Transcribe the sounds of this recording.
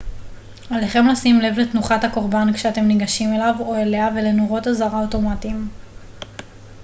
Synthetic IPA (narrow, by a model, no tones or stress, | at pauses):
aleχe̞mlasimle̞vletnuχathako̞ʁbankʃeate̞mniɡaʃime̞lavo̞eleave̞le̞noʁo̞tazaʁaoto̞matim